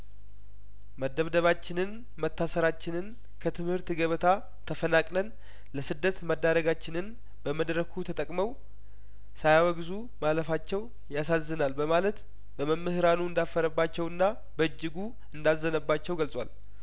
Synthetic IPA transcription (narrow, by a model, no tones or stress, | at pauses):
məd̪ːəβd̪əβat͡ʃːɪnɨn | mət̪ʰːasəɾat͡ʃːɪnɨn | kʰət̪ʰɨmhɨɾt̪ɡəβt̪ʰa | t̪ʰəfənakʼlən | ləsɨd̪ːət̪məd̪ːaɾəɡat͡ʃːɪnɨn | b̥əməd̪ɾəkʰut̪ʰət̪ʼəkʼməw | sajawəɡzu | maləfat͡ʃːɛw | jasazːɨnalbəmalət̪ | bəməmːɨhɾanuɨnd̪afːəɾəbːat͡ʃːɛwɨnːa | bəɨd͡ʒːɪɡu | ɨnd̪azːənəbːat͡ʃːɛwɡəlsʼwa̰l